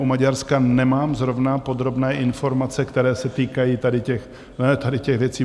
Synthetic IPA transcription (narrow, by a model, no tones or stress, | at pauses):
umaɟaɾskanɛmaːmzɾo̞vnapo̞d̪ɾo̞bnɛːʔɪnfo̞ɾmat͡sɛkt̪ɛɾɛːsɛt̪iːkajiːt̪adɪcɛx | nɛt̪adɪcɛɣvjɛt͡siː